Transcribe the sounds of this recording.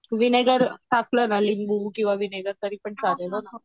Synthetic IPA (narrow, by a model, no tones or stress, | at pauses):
ʋineɡəɾsaklənalimbukĩw̃ʋaʋineɡəɾt̪əɾiːpəɳt͡saɾeləna